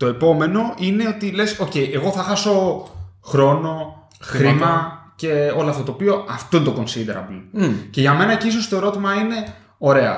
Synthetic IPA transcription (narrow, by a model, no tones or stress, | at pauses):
t̪o̞e̞po̞me̞no̞ʔine̞o̞t̪ile̞so̞ce̞jʔe̞ɣo̞θɐxɐso̞xɾo̞no̞ | xɾimɐce̞o̞lɐft̪ɐt̪opio̞ɐft̪oint̪oko̞nsid̪eɾɐ̰blice̞ʝɐme̞nɐciso̞st̪oe̞ɾo̞t̪imɐine̞ | o̞ɾe̞ɐ̰